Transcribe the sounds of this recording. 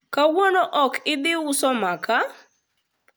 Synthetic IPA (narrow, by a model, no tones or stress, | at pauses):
kawonoʔɔkɪd̪ɪʊsɔmaka